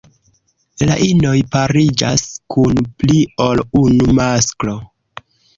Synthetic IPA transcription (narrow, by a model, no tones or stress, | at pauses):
laʔino̞jpaɾid͡ʒaskunplio̞lunumasklo̞